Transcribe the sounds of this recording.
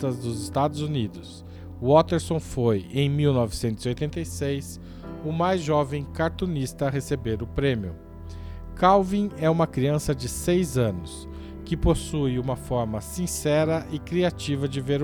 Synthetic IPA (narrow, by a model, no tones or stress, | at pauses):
t̪ɐzd̪ʊzɪst̪ad̪ʊzunid̪ʊs | ɔt̪eɾsõw̃fojẽj̃miwnɔvɪsẽnt̪ʊziojt̪ẽnt̪ejsejs | ʊmajzʒɔvẽj̃kaɾt̪ũnist̪ɐɦesebeɾʊpɾẽmiʊ̰ | kawvĩɛũmɐkɾiɐ̃sɐd͡ʒɪsejzɐ̃nʊs | kɪposujũmɐfɔɾmɐsĩsɛɾɐʔɪkɾiat͡ʃivɐd͡ʒɪveɾ